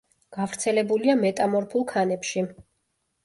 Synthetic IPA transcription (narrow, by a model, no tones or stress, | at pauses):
ɡ̥avɾt̪sʰɛlɛbuliamɛt̪ʼamɔɾpʰulˠkʰanɛpʃi